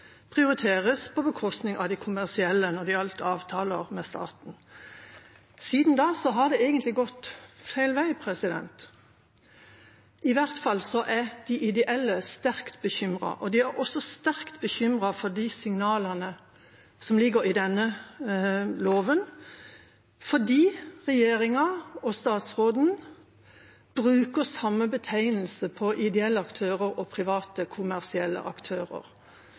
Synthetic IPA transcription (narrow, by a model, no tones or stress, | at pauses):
pʰʁɪʊɾɪt̪ʰeːʁəspʰɔbəkʰɔst̪nɪŋʔɑ̰ʋd̪æɪkʰʊmæʁsɪɛlːənɔd̪ɪɑlt̪əɑːʋt̪ʰɑːləʁmɛst̪ʰɑ̰ːt̪n̩ | siːd̪n̩d̪ɑːsɔɦɑʁd̪ɛeːɡənt̪lɪɡɔt̪fæɪlʋæɪpʰʁɛsɪd̪ɛ̰nt̪ | ʔɪʋæʁt̪fɑlːsɔʔæʁd̪̥ɪʔɪd̪ɛʔɛlːəst̪æʁkt̪bəçʏmʁɑ̰ʔɔd̪ɪæɾɔsɔst̪æɾkt̪bəçʏmʁɑfɔd̪isɪŋnɑːlɑnə | sɔmlɪɡəɾɪd̪ɛnːə | loːʋən | fɔɖiːʁɛjeːɾɪŋɑɔst̪ɑːt̪sʁoːd̪n̩ | b̥ʁʉːkəsɑmːəbət̪ʰæɪnəl̩səpʰɔʔɪd̪ɛɛlːəɑkt̪ʰøːʁəɾɔpʰɾɪʋɑːt̪əkʰʊmæʁsɪɛlːə̰ʔɑkt̪ʰøːʁə̰ɾ